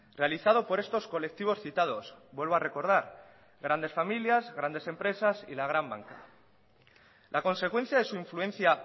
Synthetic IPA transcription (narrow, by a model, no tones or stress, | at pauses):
re̞aliθað̞o̞po̞ɾe̞st̪o̞sko̞le̞k̚t̪iβ̞o̞sθit̪að̞o̞zbwe̞lβoare̞ko̞ɾð̞aɾ | ɣɾand̪e̞sfamiljazɣɾand̪e̞se̞mpɾe̞sasḭlaɣ̞ɾamba̰ŋka | lʔako̞nse̞kwe̞n̟θjaðe̞suiɱfluẽ̞n̟θja